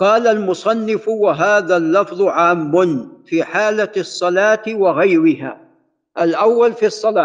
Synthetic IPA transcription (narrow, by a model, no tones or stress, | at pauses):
qɑːlalmʊsˤɑnːɪfwaɦaːðalːɑfðˤʊʕaːmːʊnfiːħaːlasˤːɑlɑːt̪waɣajɾɪɦa̰ː | ʔalʔawːalfiɑsˤːɑlaː